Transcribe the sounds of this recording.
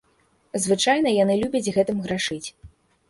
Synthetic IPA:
zvɨt͡ʂajnɐjan̪ɨlʲubʲɐd͡zʲɣɛt̪ɨmɣɾaʂɨt͡sʲ

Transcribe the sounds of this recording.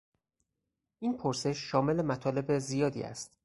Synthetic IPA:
ʔiːnpʰoɾse̞ʃːɒːme̞lemæt̪ʰɒːle̞be̞zijɒːd̪ḭːæ̰st̪

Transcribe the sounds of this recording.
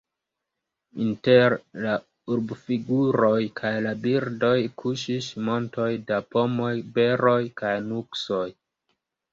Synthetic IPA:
inte̞ɾla | uɾbfiɡuɾo̞jkʰajlabiɾdo̞jkʰuʃismo̞nto̞jdapo̞mo̞jbe̞ɾo̞jkajnukso̞j

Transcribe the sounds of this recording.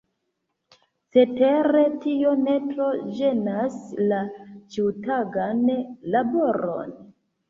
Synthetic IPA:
t͡se̞teɾe̞tio̞ne̞tɾo̞d͡ʒe̞naslat͡ʃiutaɡanlabo̞ɾo̞̰n

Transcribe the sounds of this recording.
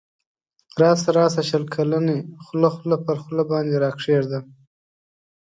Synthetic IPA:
ɾɑːsaɾɑːsaʃəlkʰalanexlaxlapəɾxlabɑːnd̪eɾɑːkʂeʐd̪a

